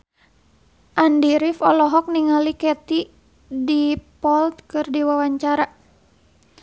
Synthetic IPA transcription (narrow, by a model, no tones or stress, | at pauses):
ʔandiɾifɔlɔɦɔk̚niŋalikɛt̪i | dipɔlt̪̚kɨrdiwawaɲt͡ʃaɾa